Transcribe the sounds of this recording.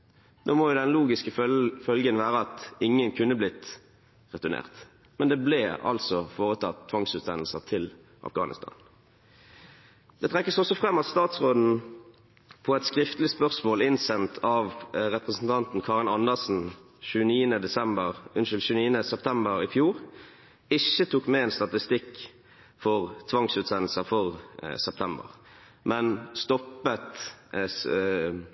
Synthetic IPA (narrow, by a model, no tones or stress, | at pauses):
d̪oːmoːjʊd̪ɛnluːɡɪskəfœlɡənʋæːʁəɑt̪ɪŋːənkʰʉnːəblɪt̪ | ʁɛt̪ʉʁnḛːʁt̪ | mɛnd̪eːblɛːɑ̰lsɔfoːʁət̪ʰɑt̪t̪ʰːʋɑŋsʉːt̪ɛnl̩səʁt̪ʰɪl | ʔɑ̰fɡɑ̰ːnɪ̰st̪ʰɑ̰ːn | d̪̥ɛt̪ʰʁɛkːəsɔsɔfʁɛmːɑt̪st̪ɑːt̪sʁoːd̪n̩ | pʰɔɛt̪skʁɪft̪lɪspœʁsmoːlɪnsɛmt̪ʰɑʋʁɛpʁəsn̩t̪ʰɑnt̪n̩kʰɑːʁənɑnːəʁsn̩ | çʉːəniːənəd̪ɛsɛmbəʁʉnʃɪlɕʉniːənəsɛpt̪ʰɛmbəʁɪfjuːʁ | ɪçːət̪ʰuːkmɛɛnst̪ɑt̪ɪst̪ɪkː | fɔʁt̪ʰʋɑŋsʉːt̪sɛnl̩səfɔʁsɛp̚t̪ʰɛmbə̰ʁ | mɛnst̪ɔpːət̪